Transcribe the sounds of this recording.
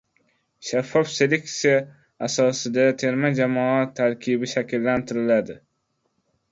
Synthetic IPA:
ʃafːɒfse̞le̞k̚t̪sijaː | sɒsɪd̪at̪ʰe̞ɾmad͡ʒamɒat̪ʰːaɾkʲʰɪbɪʃakʲɪlːant̪ʰɪɾɪlad̪ɪ

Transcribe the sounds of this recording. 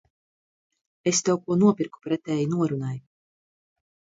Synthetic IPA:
est̪ɛwkuɔnuɔpiɾku̥pɾɛt̪ɛːjunuɔɾunaj

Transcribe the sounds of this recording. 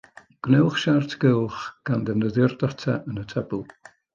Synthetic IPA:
ɡ̥nɛwχʃartʰɡ̥ɪlˠχɡ̥andənəðɪrdatʰaʔənətʰɛbʊlˠ

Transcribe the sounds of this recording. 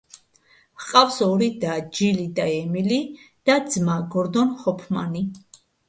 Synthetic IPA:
hqʼafsɔɾid̪ad͡ʒilid̪aɛmilid̪̥ad̪zmaɡɔɾd̪ɔnχɔpʰma̰ni

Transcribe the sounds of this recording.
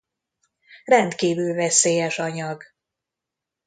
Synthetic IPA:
rɛnt̪kiːvylvɛseːjɛʃɒɲɒɡ

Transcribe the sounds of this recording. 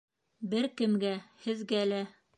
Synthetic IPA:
bɘɾkɘ̆mɡæhɘ̆ðɡælæ

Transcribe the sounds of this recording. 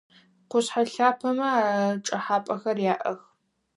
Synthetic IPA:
qʷʊɕħaɬaːpʰɐmɐaːʈ͡ʂʼɐħaːpʼɐxɐrjaːʔɐx

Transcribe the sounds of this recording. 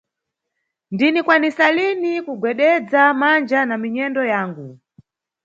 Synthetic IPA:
ndinikwanisalinikuɡwɛɗɛd͡zamand͡ʒanamiɲɛndɔjaːŋɡu

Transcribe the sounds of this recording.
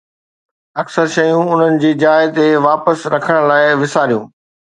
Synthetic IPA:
ɐksəɾʃɐjũʊn̤ənɪ̆d͡ʑiːd͡ʑaːɪt̪eʋaːpəsɾɐkʰəɽ̃laːɪʋɪsaːɾijṵ̃ː

